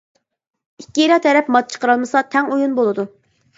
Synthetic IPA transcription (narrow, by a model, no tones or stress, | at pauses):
ikʲːiiɾɑt̪ʰɛɾɛpmɑt̪̚t͡ʃʰə̥qəɾɑlˠmɨsɑt̪ʰɛŋujunbolˠɨd̪u